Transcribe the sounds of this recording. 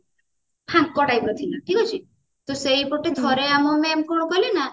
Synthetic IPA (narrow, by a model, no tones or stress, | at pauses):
pʰãŋ̚kɔʈajpɾɔt̪ʰinaʈʰikɔt͡ʃʰi | t̪ɔsejpoʈet̪ʰɔɾeamɔmemkɔɽ̃ɔkɔlina